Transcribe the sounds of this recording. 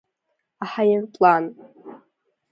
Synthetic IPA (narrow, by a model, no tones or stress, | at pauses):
aħajɪrpʼlan